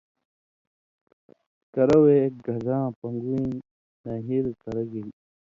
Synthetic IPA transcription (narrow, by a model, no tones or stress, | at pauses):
kɐɾɐweːk̚ɡɐzãːpɐŋɡuĩ | nɐɦiɾkɐɾɐɡil